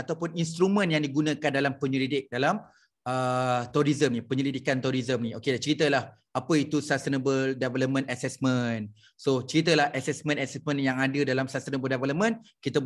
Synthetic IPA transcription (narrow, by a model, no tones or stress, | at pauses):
at̪awpʊninst̪ɾumə̃njaŋdiɡunə̃kandalampəɲəlidɪk̚dalam | ʔət̪uɾizəmnĩpəɲəlidikant̪uɾizəmnĩokedant͡ʃəɾit̪əlah | apəit̪usast̪ənəbəlldevɛləp̚mə̃nasɛsmə̃n | sot͡ʃəɾit̪̬əlahʔasɛsmə̃nasɛsmə̃njaŋadədalamsast̪ənəbəldevɛləp̚mə̃nkit̪ə